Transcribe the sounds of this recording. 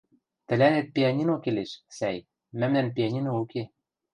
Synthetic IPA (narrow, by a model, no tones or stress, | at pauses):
t̪ɘ̆lænet̪̚piɑnʲinokeleʃsæj | mæmnænp̬ʲiɑnʲinouke